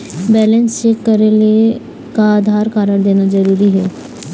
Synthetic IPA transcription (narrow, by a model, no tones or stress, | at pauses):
bɛːlə̃nst͡ʃeːkːəɾele | kaːd̪ʱaːɾkaːɾəɽd̪eːnazəɾuːɾiɦɛː